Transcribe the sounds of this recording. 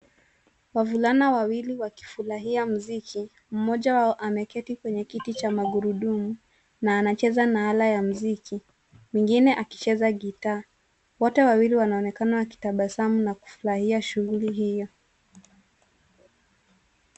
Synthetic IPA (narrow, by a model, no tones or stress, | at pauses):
wavulanawawiliwaki̥fuɾaɦiam̩zikʰi | m̩mɔʄawaɔʔamɛkɛtikwɛɲɛkitit͡ʃamaɡuɾuɗumu | naːnat͡ʃɛzanaalajam̩ziki | wiŋɡinɛʔaki̥t͡ʃɛzaɡitaː | wɔtɛwawiliwanaɔnɛkanawaki̥taɓasamunaku̥fuɾahiaʃuɣuliɦijɔ